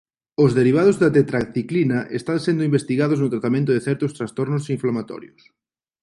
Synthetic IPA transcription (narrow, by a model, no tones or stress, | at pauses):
ʊzðeɾiβ̞að̞ʊzðat̪et̪ɾakθiklinɐʔest̪ansend̪ʊimbest̪iɣaðʊznʊt̪ɾat̪amẽnt̪ʊðeθɛɾt̪ʊst̪ɾast̪ɔɾnʊsiɱflamat̪ɔ̰ɾjʊs